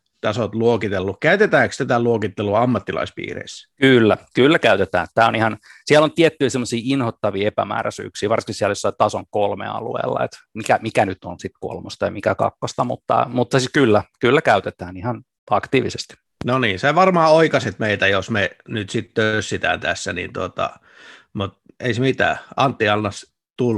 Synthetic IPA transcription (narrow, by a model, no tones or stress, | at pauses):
t̪ɑsot̪luokit̪elːukkæyt̪et̪æːkst̪æt̪æluokit̪ːeluɑmːɑt̪ːilɑ̰ispḭːrḛiskylːækylːækæyt̪et̪æ̰ːnt̪t̪ːæːonihɑnsiælont̪iet̪ːyisemːosiːinhot̪ːɑʋiːepæ̰mæ̰ːræsy̰ːksiːʋɑrsi̥ŋkisiæljosːɑit̪ɑsoŋkolmḛɑ̰lṵḛːlːɑ̰ḛt̪mikæmikænyt̪onsit̪ko̰lmost̪ɑjɑmikækɑ̰kːost̪ɑmṵt̪ːɑ̰mut̪ːɑsikylːækylːækæyt̪et̪æːnihɑn | ɑkt̪iːʋisest̪i̥ | noniːnseʋɑrmɑːoikɑsit̪meit̪æjosmenyt̪sit̪t̪øissit̪æ̰nt̪æsːænḭːnt̪uot̪ɑ̰ | mut̪̚ | eisemit̪æ̰ːɑnt̪ːiɑlːɑs | t̪ul